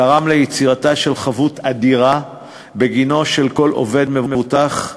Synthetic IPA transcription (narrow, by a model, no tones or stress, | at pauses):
aʁamlejet͡siʁataʃe̞lχavutad̪iʁa | be̞ɡino̞ʃe̞lko̞lʔo̞̰ve̞d̪mevmevutaχ